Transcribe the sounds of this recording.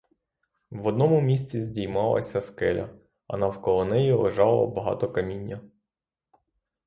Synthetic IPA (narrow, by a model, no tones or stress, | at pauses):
wɔd̪nɔmʊmʲis̬ʲt͡sʲizʲdʲijmɑlˠɐ̰sʲɐskɛlʲɐ̰ | ɐnɐwkɔlˠɔnɛjilˠeʒɑlˠɔ̰bɐɦɑ̰t̪ɔkɐmʲinʲːɐ